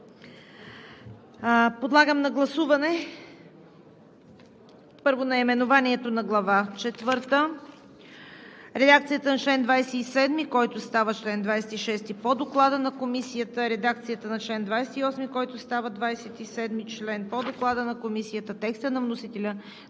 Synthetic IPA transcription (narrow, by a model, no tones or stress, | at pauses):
pod̪lˠaɡəmnɐɡlˠɐsuvɐnɛ | pɤɾvonɐimɛnʊvaniɛt̪onɐɡlˠɐvat͡ʃɛt̪vɤɾt̪ə | ɾɛd̪ak̚t̪sijət̪ənɐt͡ʃlɛnd̪vajsɛisɛd̪mikɔjt̪ʊst̪avət͡ʃlɛnd̪vajsɛ̥t̪iʃɛst̪ipod̪oklˠad̪ənɐkomisijət̪əɾɛd̪ak̚t̪sijət̪ənɐt͡ʃlɛnd̪vajsɛ̥t̪iɔsmikɔjt̪ʊst̪avəd̪vajsɛt̪isɛd̪mit͡ʃlɛnpod̪oklˠad̪ənɐkomisijət̪ət̪ɛkst̪ənɐvnosit̪ɛlʲə